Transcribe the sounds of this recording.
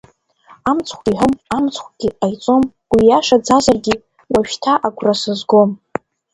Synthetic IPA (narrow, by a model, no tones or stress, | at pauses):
amt͡sʰχʷʰʼiħʷʊmamt͡sʰχʷʰɡ̥ʲiajt͡sʼo̞m | wijaʂad͡zazarɡʲi | waʃᶣtʰaʔaɡʷʰʼrasɨzɡo̞m